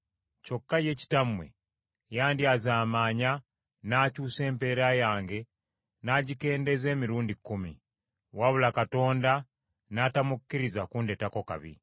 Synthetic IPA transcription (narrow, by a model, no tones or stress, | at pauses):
co̞kːaje̞ci̥tamwe̞̰ | jaːndiazaːmaːɲa | naːcuːse̞ːmpe̞ːɾajaːŋɡe̞ | naːɟike̞ːnde̞ze̞ːmiɾuːndikːumḭ | waβulakato̞ːnda | naːtamukːiɾizakunde̞tako̞ka̰βḭ